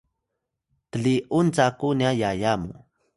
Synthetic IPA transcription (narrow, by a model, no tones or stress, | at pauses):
t̪əɮiʔunt͡sakunjajajamṵ